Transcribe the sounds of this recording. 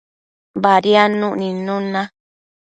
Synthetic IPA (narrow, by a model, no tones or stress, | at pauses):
baɾianũʔnĩnũnã